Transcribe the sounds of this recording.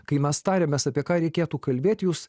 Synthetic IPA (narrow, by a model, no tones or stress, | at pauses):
kɐɪmʲɛst̪ɑːɾʲemʲeːsɐpʲiɛkɑːɾʲɛɪkʲeːt̪uːkɐlʲbʲeːt̪ʲjuːs